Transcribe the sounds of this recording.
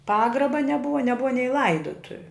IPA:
ˈpɑːɡrɐbɐ nʲɛˈbʊʋɐ nʲɛˈbʊʋɐ nʲɛɪ ˈlˠɐɪdʊtʊʋʲʊ

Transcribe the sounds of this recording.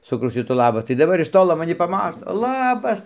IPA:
sɐˈkɐʊ ˈʃʲɪtuː ˈlˠɑːbɐs tɐɪ dɐˈbɐr ɪʃ ˈtoːlˠoː mɐˈnʲɪ pɐˈmɑːtoː ˈlˠɑːbɐs

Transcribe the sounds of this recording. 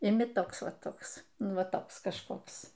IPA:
ɪˈmʲɪ ˈtoːks ˈʋɐ ˈtoːks ˈnʊ ˈʋɐ ˈtoːks kɐʃˈkoːks

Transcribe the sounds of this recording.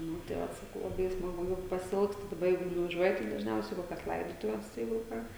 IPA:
ˈnʊ tɐɪ ˈʋɐt sɐˈkɐʊ lˠɐˈbɐɪ ɪ smɐˈɡʊ jɛʊ pɐsʲɪˈɪlˠkstʊ dɐˈbɐ ˈjɛɪɡʊ nʊʋɐˈʒʲuɔjɪ tɐɪ dɐʒʲˈnʲɛʊsʲɛɪ ɪ ˈkoːkʲɛs ˈlˠɐɪdoːtʊʋʲɛs ˈjɛɪɡʊ ˈkɑː

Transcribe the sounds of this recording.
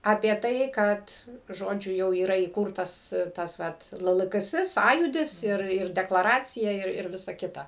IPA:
ɐpʲiɛ ˈtɐɪ ˈkɐt ˈʒoːd͡ʒʲʊ ˈjɛʊ iːˈrɐ iːˈkuːrtɐs ˈtɐs ˈʋɐt ˈlˠɘ ˈlˠɘ ˈɡɘ ˈsɘ ˈsɑːjuːdʲɪs ˈɪr ɪr dʲɛklˠɐˈrɑːt͡sʲɪjɛ ɪr ˈʋʲɪsɐ ˈkʲɪtɐ

